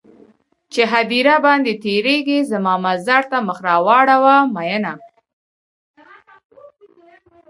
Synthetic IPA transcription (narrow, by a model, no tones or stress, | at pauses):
t͡ʃeɦad̪iɾabɑnd̪et̪eɾeɡezəmɑmazaɾt̪aməxɾɑwɑɽawamajəna